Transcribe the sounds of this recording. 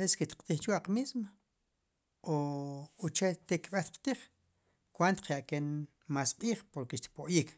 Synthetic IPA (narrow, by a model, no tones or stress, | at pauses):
esket̪qt̪iːχt͡ʃwaqmismo | oot͡ʃet̪ekɓet̪qt̪iːχ | kwant̪q͡χʰjaʔken | maːsqʼiːχpoɾkeʃt̪i̥poʔjiːk